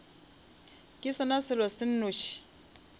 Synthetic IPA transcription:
kʼɪsɔnasɪlɔsɪn̩nʊʃi̥

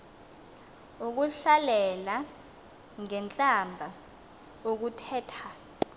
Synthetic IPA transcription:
uk̬uɬalɛla | ŋɛnt͡ɬʼambʱa | ok̬utʰɛːtʰa

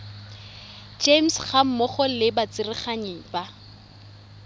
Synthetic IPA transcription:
d͡ʒemsχam̩mʊχɔlɪbat͡sɪrɪχaɲeŋ̩pa

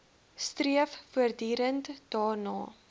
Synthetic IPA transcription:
striəffuərdyːɾəntd̥ɑːrnɑ̰ː

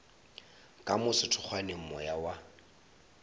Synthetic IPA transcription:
kʼamʊsɪtʰʊk͡xʰwanemɔjawa

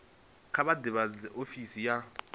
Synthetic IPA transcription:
kʰaɓadɛɓad͡zɛʔofisija

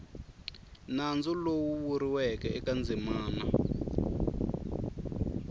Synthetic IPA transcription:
nand͡zulowuwuɾiwɛkɛɛkand͡zimaːna

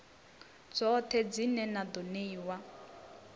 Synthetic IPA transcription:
d͡zɔt̪ʰɛd͡zinɛnad̪ɔneiwa

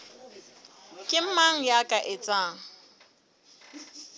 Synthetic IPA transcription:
kʼɪm̩maŋ̩jakʼaʔɪt͡sʼaːŋ̩

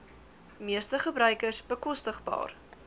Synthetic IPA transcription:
miəstəχəbɾœɥkəsbəkɔstəχbɑ̰ːr

